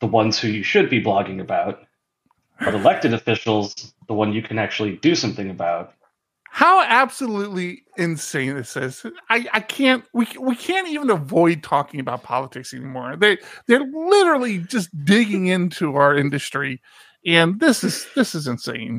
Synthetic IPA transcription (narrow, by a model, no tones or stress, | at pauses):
ðəwʌ̃nz̥hʉjɨʃɨd̚biblɑɡɪ̃ŋɨbaʊt̚ | əɾəlɛk̚tɨɾɨfɪʃl̩ˠz̥ðəwʌ̃njɨkʰɨ̃næk̚t͡ʃʉl̩ˠidɨsʌ̃mθɪ̃ŋɨbaʊt̚ | haʊæb̥səlutˡli | ɨ̃nsẽɪ̃nðɪsɪz̥aɪaɪkʰæ̃nt̚wiwikʰæ̃ntivə̃nəvɔɪd̚tʰɔkɪ̃ŋɨbaʊt̚pʰɑ̰lˠətʰɪksɛ̰nimɔɹðə˞ðə˞lɪɾə˞l̩ˠid͡ʒʌs̬d̥ɪɡɪ̃ŋɪ̃ntʰʉaʊə˞ɪ̃ndɨstɹ̥i | ɨ̃nðɪsɨz̥ðɪsɨzɨ̃nsḛ̃ɪ̃n